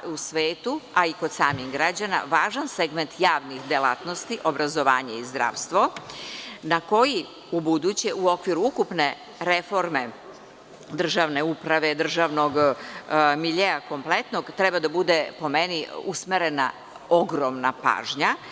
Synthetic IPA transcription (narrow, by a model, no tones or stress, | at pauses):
usʋeːt̪uaiko̞d̪saːmixɡɾad͡ʑana̰ʋaːʒanseɡment̪jaːʋnixd̪elaːt̪nost̪iʔo̞bɾazo̞ʋaːɲaizd̪ɾa̰ːʋst̪ʋo̞ | nako̞ji | ubud̪ut͡ɕeʔuo̞kʋiɾuukupne̞ | ɾefo̞ɾme̞ | d̪r̩ʒaʋne̞upɾaʋed̪r̩ʒaʋno̞ɡ | miʎeako̞mplet̪no̞ɡt̪ɾɛbad̪abud̪epo̞meniusmeɾe̞na̰ | oɡɾomnapa̰ːʒɲa